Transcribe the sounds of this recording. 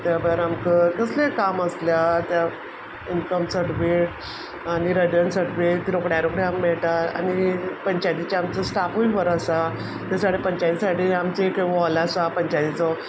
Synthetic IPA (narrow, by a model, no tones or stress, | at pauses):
t̪jabəəɾamkəkəslekaməsljat̪ja | inkəmsəʈʋiʈ̚ | aɽ̃iɾəd͡ʑənsəʈʋiʈ̪iɾokɽjaɾokɽaamːɛɭʈaa̰ñipəɲt͡ɕajt̪it͡ɕaamt͡səsʈapuiʋəɾəsa | t̪jasaɽepəɲt͡ɕat̪isaʈʰiamt͡seekʋɔlasapəɲt͡ɕajt̪it͡sɔ